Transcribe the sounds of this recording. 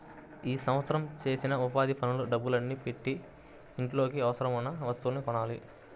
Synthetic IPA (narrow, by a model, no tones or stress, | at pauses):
iːsɐ̃mʋɐt̪sɐɾɐmt͡ʃe̞ːsinɐupaːd̪ipʰɐnuluɖɐbːulɐnːipe̞ʈːiː | ɳʈlo̞ːkiɐʋɐsɐɾɐmunːɐʋɐst̪uulnikɔɳaːli